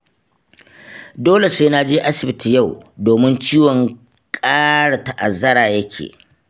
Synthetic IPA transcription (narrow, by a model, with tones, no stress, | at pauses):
doː˦le˨sa˦naː˦d͡ʒeː˦ʔa˦sɪ˨bɪ˦ti˨ja˦˨wdoː˨mɪ˦nt͡ʃiː˦wɔ˨ŋ | kʼaː˦ɽa˨ta˨ʔa˨zɐ˦ɽaː˨jɐ˦kʲʰḛː˨